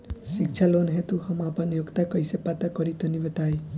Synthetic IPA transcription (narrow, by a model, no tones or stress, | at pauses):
sik̚t͡ʃʰalonɦet̪uhʌmapʌnjoɡt̪akʌjsepat̪akʌɾit̪onibət̪aj